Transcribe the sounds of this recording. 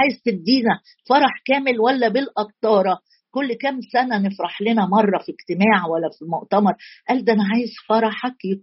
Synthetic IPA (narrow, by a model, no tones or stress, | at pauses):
aːjezt̪ed̪ːiːnæ | fɑɾˤɑħkæːmelwælːæbelʔɑqt̪ˤɑːɾˤɑ | kolːkæmsænænefɾɑħlenæmɑrˤːɑfiɡt̪emaːʕwælːæfimoʔt̪ɑmɑɾˤʔæːld̪æʔænæʕaːjezfɑɾˤɑħækj